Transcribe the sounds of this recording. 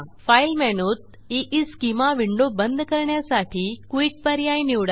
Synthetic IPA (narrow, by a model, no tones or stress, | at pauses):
failmɛnut̪̚ | iʔiskimaʋɪɳɖobənd̪ʱkəɾɳjasaːʈʰikʋiːʈ̚pəɾjaĩniʋɽa